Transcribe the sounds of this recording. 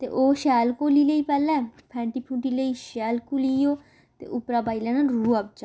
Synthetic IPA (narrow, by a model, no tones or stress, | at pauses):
t̪ḛːʔoːʃɛːlkoːliːləiːpɛːlɛ̃ːpʰɛ̃ːɳʈiːpʰũːʈiːləiːʃɛːlkuliːjoː | t̪ḛːʔʊpɾaːbaːilɛ̃ːnaːlɾuːəp̚d͡ʒaː